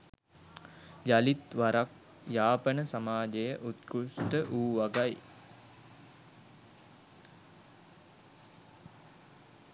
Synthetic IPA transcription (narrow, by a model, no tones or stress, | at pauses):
jalit̪ʋaɾak̚ | jaːpənəsamaːd͡ʒejəʔut̪kusʈəʔuːʋaɡaj